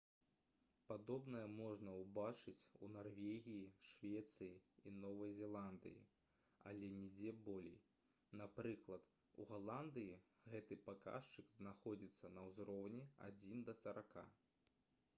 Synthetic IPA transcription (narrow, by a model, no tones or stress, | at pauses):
pad̪ɔbnɐjɐmɔʐnɐwbat͡ʂɨt͡sʲṵnarvʲeɣʲijiʂvʲɛt̪sɨjiinɔvɐjzʲɛlˠand̪ɨ̰jḭ | a̰lʲɛnʲɛd͡zʲɛbɔlʲḛj | napɾɨklˠɐt̪ | uɣalˠand̪ɨji | ɣɛt̪ɨpaka̰ʂt͡ʂɨɡznaxɔd͡zʲit̪sːɐnɐwzɾɔwnʲia̰d͡zʲind̪ɐsɐɾaka̰